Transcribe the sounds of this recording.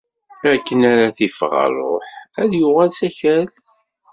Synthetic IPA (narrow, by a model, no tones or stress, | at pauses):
ækːənæɾæθifʁɑ̰ɾˤo̰ħæðjʊʁælsæçæl